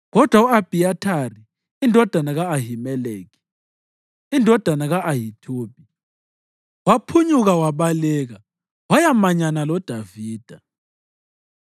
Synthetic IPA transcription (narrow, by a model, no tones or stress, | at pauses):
ɣɔd̥ʱwauab̥ʱiatʰari | indʱɔd̥ʱanaɣaːɦimɛleːki̥ | indʱɔd̥ʱanaɣaʔaɦitʰoːb̥ʱi | wapʰuɲuɣawaβalɛɣa | wajamaɲanalɔd̥ʱaviːd̥ʱa